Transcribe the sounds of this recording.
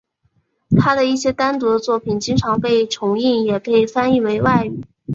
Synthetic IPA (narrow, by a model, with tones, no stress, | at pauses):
t̪ʰa˥d̪ə˨i˥˩ɕjɛ˥t̪a˥nt̪u˧˥d̪ə˧t͡swɔ˥˩pʰi˨˩nt͡ɕi˥ŋʈ͡ʂʰɑ˧˥ŋpe˥˩ɪʈ͡ʂʰʊ˧˥ŋi˥˩ŋjɛ˨˩kʰɤ˧˥˩ɪi˨˩fa˥ni˥˩we˧˥ɪwa˥˩ɪy˨˩˦